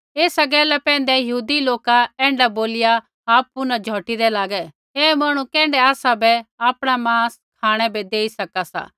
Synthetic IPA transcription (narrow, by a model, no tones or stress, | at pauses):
eːsaɡɛːlɛpɛ̃ːn̆d̪ɛjɐɦuːd̪iloːkaɛ̃ːɳɖaboːlɪja | aːp̚ːʊnãd͡ʒʱɔːʈid̪ɛlaːɡɛ | eːmaɽ̃ũkɛ̃ːɳɖɛaːsabɛaːpɽ̃amãːs | kʰaːɽ̃ɛbed̪eːisɐkasa̰ː